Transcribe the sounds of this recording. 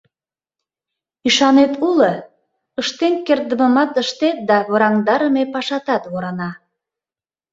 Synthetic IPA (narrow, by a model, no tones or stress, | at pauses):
iʃɑnet̪ulə | əʃt̪eŋkerd̪əməmɑt̪əʃt̪et̪̚d̪ɑβoɾɑŋd̪ɑɾəmepɑʃɑt̪ɑt̪βoɾɑnɑ